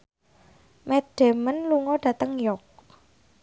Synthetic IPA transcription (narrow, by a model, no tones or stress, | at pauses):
mɛd̥e̤mənluŋɔɖ̥ä̤t̪əŋjɔk̚